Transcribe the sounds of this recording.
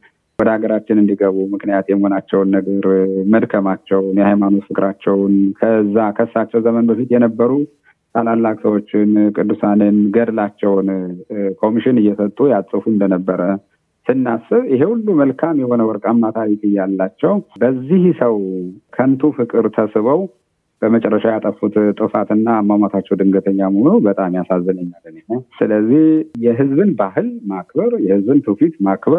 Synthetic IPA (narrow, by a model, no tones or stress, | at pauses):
wɔd̪əaɡəɾat͡ʃːɪnɨnd̪iɡəβumɨknijat̪jɛməho̞nat͡ʃːɛwnːəɡəɾməd̪kʰəmat͡ʃːɛwnjɛhajmano̞t̪fɨkʼɨɾat͡ʃːɛwnkʰəzːakʰəsːat͡ʃːɛwzəmənbəfit̪jɛnəbːəɾu | t̪ʰʼalalːakʼsəwo̞t͡ʃːɪnkʼɨd̪ːusanɨnɡəd̪lat͡ʃːɛwnkʰo̞miʃɪnɨjːɛsət̪ʼːujasʼɨfuɨnd̪ənəbːəɾə | sɨnːasɨβjɪɦe̞hulːuməlkʰamjɛho̞nəwɔɾkʼamːat̪ʰaɾikʼɨjːalːat͡ʃːɛwbəzːihsəwkʰənt̪ʰufɨkʼɨɾt̪ʰəsɨβəw | b̥əmət͡ʃʼɛrːəʃajat̪ʼəfut̪ʼt̪ʼɨfat̪ɨnːaːmːamat̪ʰat͡ʃːɛwd̪ɨŋɡət̪ʰəɲːamohonubət̪ʼamjasazːənəɲːalːɨnenəsɨləzːihjɛɦɨzbɨnbaɦɨlmak̚bəɾjɛhɨzbɨnt̪ʰufit̪makbə